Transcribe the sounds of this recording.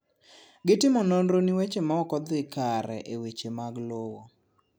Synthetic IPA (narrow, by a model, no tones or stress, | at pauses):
ɡɪtɪmɔnonɾoniwet͡ʃemaɔkɔd̪ɪkaɾɛ̰ʔewet͡ʃemaɡlowɔ